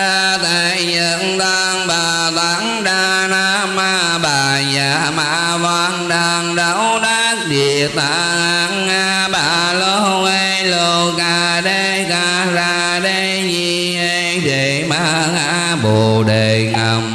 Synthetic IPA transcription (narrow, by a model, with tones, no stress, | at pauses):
a˧t̪a˧˨jɲə˨˦nt̪aː˧ŋɓa˨˩ | t̪a˨˦ŋ | ɗa˧˩ | na˧ | ma˧ | ɓaː˨˩zaː˨˩ma̰ː˧ | vaː˧ŋɗa˧˩ŋɗə˧˦wɗa˧ | ɗi˨˩ət̪a˧˨˩ | ʔa˨˦n | aː˧ | ɓa˧˨ | lo˧˦ʔə˧jjlo˨˧˩ka˨˩ | ɗə˧jka˧˩ | zaː˧ | ɗə˧jzi˨˩ | ʔə˧jɗe˨˩ma˧˩˧ŋa˧˦ | ɓo˨˩ɗe˨˩ŋə˨˩m